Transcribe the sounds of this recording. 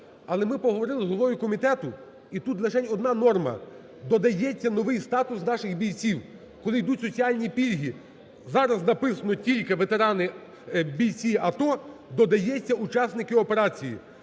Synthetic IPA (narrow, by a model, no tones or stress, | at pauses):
ɐlˠɛmɪpɔɦɔʋɔɾɪlˠɪzɦlˠɔʋɔjʊkɔmʲit̪ɛt̪ʊ | it̪ut̪lʲˠɐʃɛnʲɔd̪nɑnɔrmɐ̰ | d̪ɔd̪ɐjɛt͡sʲːɐnɔʋɪjst̪ɑt̪ʊsnɑʃɪɣbʲijt͡sʲiw | kɔlˠɪjd̪utʲsɔt͡sʲiɑlʲnʲipʲilʲɦʲi | zɑɾɐznɐpɪsɐnɔtʲilʲkɪʋet̪eɾɑnɪ | bʲijt͡sʲiʔɐt̪ɔd̪ɔd̪ɐjɛt͡sʲːɐut͡ʃɑsnɪkɪɔpe̞ɾɑt͡sʲijḭ